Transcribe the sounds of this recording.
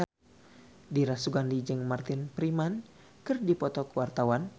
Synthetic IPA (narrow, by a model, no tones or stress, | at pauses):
diɾasuɡandid͡ʒɨŋmart̪ɪnpɾiman | kɨrdipɔt̪ɔkəwart̪awan